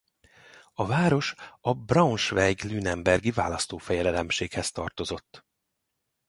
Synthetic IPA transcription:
ɒvaːɾo̞ʃɒbrɒnʃvɛɡlyːnɛmbɛrɡivaːlɒst̪oːfɛjɛlɛlɛmʃeːkhɛst̪ɒrt̪o̞zo̞t̪ː

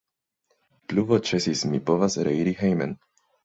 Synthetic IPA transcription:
pluvot͡ʃesismipo̞vasɾeiɾihejmḛn

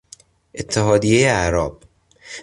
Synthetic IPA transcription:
ʔet̪ʰːeɦɒːd̪ijejeæɾɒːb̥̚

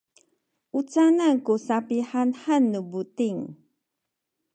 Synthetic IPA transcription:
ʔut͡sanankusapiħanħanːubutiŋ

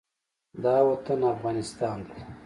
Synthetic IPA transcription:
d̪ɑːwɐt̪ənafɣɑːnɪst̪ɑːnd̪e

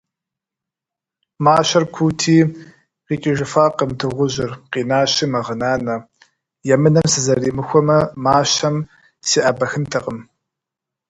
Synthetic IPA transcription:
maːɕɐrkʷʰuːtʰiː | qiːkʲʼɪʒɪfaːqəmtʰɨʁʷʊʑɪrqiːnaːɕimɐʁənaːnɐ | jɛmɨnɐmsɨzɐriːmɨxʷɔmɐmaːɕɐm | siːʔɐbɐxɨntʰɐqəm

